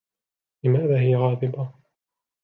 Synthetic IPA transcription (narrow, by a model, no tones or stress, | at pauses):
lɪmaːðaːɦɪjaɣɑːðɨba